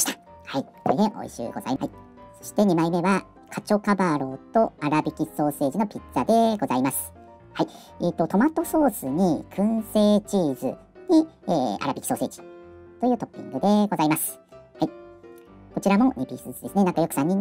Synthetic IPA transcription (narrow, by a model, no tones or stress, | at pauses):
i̥t̪ḁ | haisoɾed̪eʔo̞̰ḭɕɨ̰ːɡo̞za̰iai | so̞̥ɕi̥t̪e̞ɲ̟imaime̞βa | kʰat͡ɕo̞kabaɾo̞t̪o̞aɾabʲikʲiso̞ːse̞ːʑino̞pʲit͡st͡sad̪e̞ɡo̞zaimasɨ̥ | hai | et̪ːo̞t̪o̞mat̪o̞so̞ːsɨɲ̟ikʰɯ̟̃se̞ːt͡ɕiːzɨ̰ | ɲ̟ieːa̰ɾabʲiki̥so̞ːse̞ːd͡ʑi̥t̪o̞jɯ̟ːt̪o̞pʲːḭ̃ŋɡɯ̟d̪e̞ɡo̞zaimasɨ̥hai | ko̞t͡ɕiɾamo̞ɲʲipʲisɨːsɨd̪e̞sɨne̞nãŋkajo̞kɯ̥sãɲ̟ːi